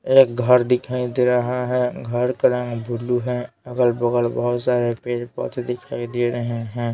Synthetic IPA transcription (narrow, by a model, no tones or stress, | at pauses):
eːk̚ɡʱəɾd̪ɪkʰaːid̪eɾəɦaɦɛɡʱəɾkəɾə̃ŋɡbʱʊluɦɛ̃ | ɐɡəlbəɡəlbəɦʊt̪saːɾepeːd͡ʒpɔ̰ːt̪ʰed̪ɪkʰaːid̪eɾəɦeɦɛ̃ː